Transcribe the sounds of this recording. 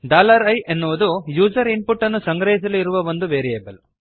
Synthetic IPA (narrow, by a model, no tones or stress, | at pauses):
ɖaːlɐɾɐjʔenːuʋud̪ujuːd͡ʒɐɾinpuʈːɐnːusɐŋɡɾɐɦis̬ɐluiɾuʋɐʋond̪uʋeːɾɛeːbel